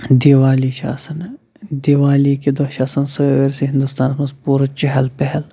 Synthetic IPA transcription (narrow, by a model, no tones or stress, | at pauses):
d̪iːʋaːliʃa̰ːsɐn | d̪iːʋaːlikid̪oʃaːsɐnsɐʋeɾseɦɪ̃nd̪ust̪aːnsmɐspuːɾɐt͡ʃɛɦɐlpɛɦɛl